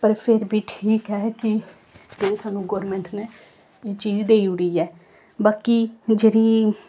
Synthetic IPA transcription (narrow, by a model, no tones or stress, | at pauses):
pəɾpʰɪɾbʱiːʈʰiːkɦɛːkɪ | d͡ʒoːsaːnũːɡɔːɾmɛ̃ːɳʈneː | eːt͡ʃiːd͡ʒd̪eːiːʊɽiːɛː | baːkid͡ʒeːɽiː